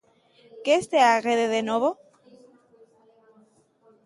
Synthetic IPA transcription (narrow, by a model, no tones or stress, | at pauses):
keːst̪eaɣeðeðenoβo